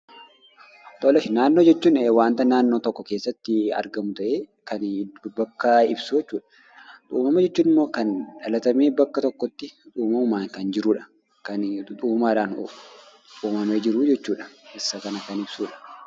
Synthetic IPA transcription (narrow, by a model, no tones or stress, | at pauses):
t̪ʼɔlɐʃɪnaːnːo̞ːd͡ʒɛt͡ʃːuːneːwaːnt̪ɐnaːnːoːt̪ɔkːɔkeːsːɐt̪ːɪɐ̰ɾɡɐmʊt̪ɐʔeːkɐnbɐkːɐɪbsʊd͡ʒɛt͡ʃːuːᶑɐ̥ | ᶑ̪ʼṵːmɐmɐd͡ʒɛt͡ʃːuːnɪmːo̞ːkɐnᶑɐlɐt̪ɐmeːbɐkːɐt̪ɔkːɔt̪ːɪᶑuːmɐʊmaːŋkɐnd͡ʒɪɾuːᶑɐ̥ | kɐnᶑʼuːmaːᶑaːn̰ | t̪ʼuːmɐmeːd͡ʒɪɾʊd͡ʒɛt͡ʃːuːᶑɐ̥ʔɪsːɐkɐnɐkɐnɪbsuːᶑɐ̥